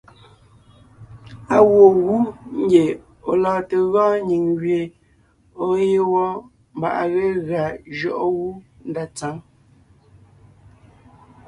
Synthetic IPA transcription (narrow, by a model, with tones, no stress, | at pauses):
a˨wo˨ɣu˦ŋ̩˦ɡe˨ | o̰˨lɔː˨te˨ɣɔ̃˦ɲi˨ŋɣɥe˨ | o˦je˦wɔ˦ | m̩˦ba̰˨ʔa̰˨ɣe˦ɣa˨d͡ʒɔ˦ʔɔ˦ɣu˦ | n̩˦da˨t͡sa˨˦ŋ